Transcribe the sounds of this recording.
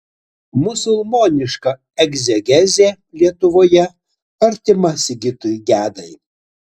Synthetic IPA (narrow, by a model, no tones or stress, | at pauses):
mʊsʊlˠmoːnʲɪʃkɐ | ɛɡzʲɛɡʲɛzʲeː | lʲiɛt̪ʊʋoːjɛ | ɐɾʲt̪ʲɪmɐsʲɪɡʲɪt̪ʊɡʲæːd̪ɐɪ